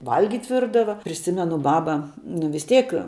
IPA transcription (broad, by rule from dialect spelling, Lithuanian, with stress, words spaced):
ˈʋɐlʲɡʲɪtʲ ˈʋʲɪrdɐʋɐ pʲrʲɪˈsʲɪmʲɛnʊ ˈbɑːbɐ nʊ ʋʲɪs ˈtʲɛɪk